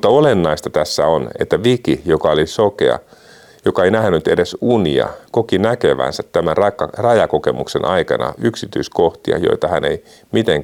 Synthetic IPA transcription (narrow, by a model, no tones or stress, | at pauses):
t̪ːɑolenːɑist̪ɑt̪æsːæonḛt̪ːæʋikijokɑolisokeɑ̰ | jokɑeinæhnyt̪edesuniɑ̰kokinækeʋæ̰nsæt̪tæmærɑkːɑrɑjɑkokemuksenʔɑikɑnɑ̰yksit̪yiskoht̪iɑ̰jo̰it̪ɑhænei | mit̪eŋ